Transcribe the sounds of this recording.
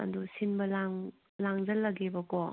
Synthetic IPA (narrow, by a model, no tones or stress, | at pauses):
ɐ̰dusinbɐlaŋ | laŋd͡ʒɐlːɐɡebɐkɔ